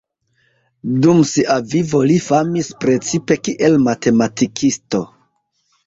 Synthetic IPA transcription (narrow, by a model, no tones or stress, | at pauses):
dumsiʔavivo̞lifamispɾe̞t͡sipe̞kiʔe̞lmate̞matikʰisto̞